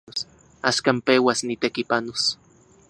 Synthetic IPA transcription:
os | aʃkampewasnit̪ekipanos

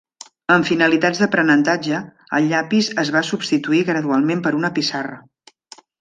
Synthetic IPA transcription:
əɱfinəlit̪ad͡zðəpɾənənt̪ad͡ʒə | ə̰ʎːapizəzβasubst̪it̪uiɣɾəðualˠmempəɾunəpisarə

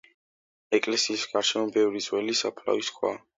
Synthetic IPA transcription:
ɛkʼlɛsiːsɡaɾʃɛmɔbɛvɾid̪z̥ʼwɛlisapʰla̰viskʰwa̰

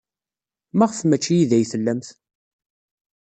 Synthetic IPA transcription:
mæʁəfmæt͡ʃːijiðæjθəlːæmθ

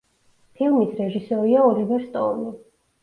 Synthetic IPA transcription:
pʰilˠmisɾɛʒisɔɾiaɔlivɛɾst̪ʼɔ̰ɾli

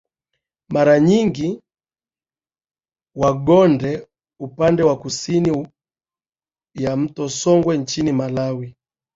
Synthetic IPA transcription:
maɾaɲiŋɡi | waɡɔndɛ | upandɛwakusini | jam̩tɔsɔŋɡwɛn̩t͡ʃinimalawi

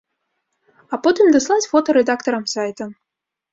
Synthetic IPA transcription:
apot̪ɨmd̪əslˠasʲfot̪oɾɛd̪akt̪ɐɾamsajt̪ə

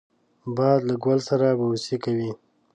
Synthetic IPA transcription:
bɑd̪laɡwalsaɾabasikawi

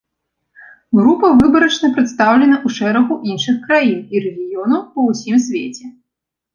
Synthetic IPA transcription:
ɣɾupɐvɨbɐɾɐt͡ʂnɐpɾɨt̪st̪awlʲɛnɐʔuʂɛɾɐɣuʔinʂɨxkɾajiniɾɛɣʲijɔnɐwpɐwsʲimsʲvʲḛt͡sʲɛ

